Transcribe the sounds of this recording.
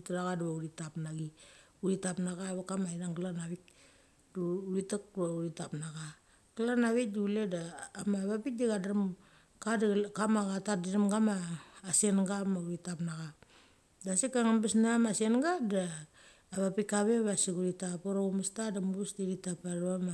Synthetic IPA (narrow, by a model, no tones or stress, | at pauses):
itaɾaɣaduβauɾitapnaɡi | uɾitapnaɣaβakamainaŋɡlanaβik̚ | duuɾitak̚duβauɾitapnaɡa | ɡalanaβik̚diuledaːmaβapik̚diɡadaɾam | kadkamaɡatadiɾamɡamaːsenɡamauɾitapnaɣa | dasikːaŋambesnamasenɡadaː | βapikaβeβasikuɾitapoɾaumastadamuusdiɾitapaɾβama